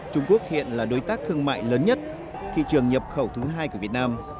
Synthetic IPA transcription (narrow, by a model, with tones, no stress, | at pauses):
t͡ɕʊ˧ŋ͡mku˦˥ək̚hḭ˧˨ənlaː˨˩ɗo˨˦jt̪aː˦˥k̚t̪ʰɨ˧əŋma̰ː˧˨jləː˨˦nɲə˦˥t̚ | t̪ʰḭ˧˨t͡ɕɨ˨˩əŋɲə˨˩p̚xə˧˩wt̪ʰɨ˨˦ɦaː˧jku˧˩əvi˨˩t̚naː˧m